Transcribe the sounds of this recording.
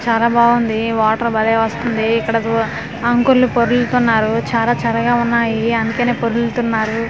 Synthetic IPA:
t͡ʃaːlaːbaːɡund̪iʋaːʈɐɾbɐleːʋɐst̪und̪iːkːɐɽɐ | ɐŋkuɾlupoɾult̪unːaːɾut͡ʃaːlaːt͡ʃɐɾɐɡaːunːaːjiɐnd̪ukeːne̞ːpoɾult̪unːaːɾu

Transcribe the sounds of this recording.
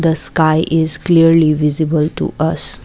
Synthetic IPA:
d̪əskaɪʔɪzkliəɾliʋɪzɪbəlʈṵʔʌs

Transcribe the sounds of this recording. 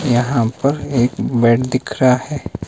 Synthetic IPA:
jɐɦãpɐɾeːkbɛːʈd̪ɪkʰɾahɛː

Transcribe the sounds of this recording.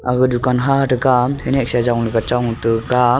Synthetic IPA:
aɡɯdukanɦaɾɯɡamhenɛk̚sazawŋlikat͡ʃawŋtɯɡa

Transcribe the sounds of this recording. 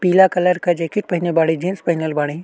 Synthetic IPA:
piːlakɐləɾkɐd͡ʒeːkiʈ̚pɐɦinebaːɽ̃ĩd͡ʒeːnspɐɦinəlbaːɽĩ

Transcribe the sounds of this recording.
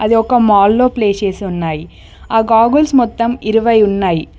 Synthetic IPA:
ɐðiɔkːɐmaːlːoːpleːt͡ʃeːsiʊnːaːj | aːɡaːɡulsmɔt̪ːɐmɪɾɯʋɐjʊnːaːj

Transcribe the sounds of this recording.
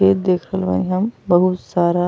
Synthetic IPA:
eːd̪eːkʰɾəlʋa̰nɦɐmbəɦut̪saːɾa

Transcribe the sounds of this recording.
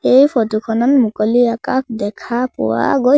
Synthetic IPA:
ejpʰɔtukʰɔnɔnmukɔliakak̚ʰdɛkʰapɔ̰wa̰ɡo

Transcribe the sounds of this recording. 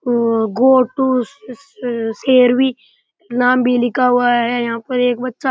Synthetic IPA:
ɡoːʈu | seːɾbi | naːmbʱilɪkaɦʊaɦɛjɐɦãːpɐɾeːkbɐtːʃa

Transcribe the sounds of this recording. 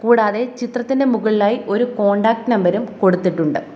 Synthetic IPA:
kuːɽaːðe̞t͡ɕit̪rɐt̪ːinde̞muɣɐɭilaːjiʔo̞ɾuko̞ːɳɖaːk̚ʈnɐmbɐɾumko̞ɽut̪ːiʈːuɳɖɨ

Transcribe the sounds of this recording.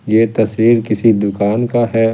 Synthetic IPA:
jeːt̪ɐsɾiːɾkɪsid̪ʊkaːnkaɦɛː

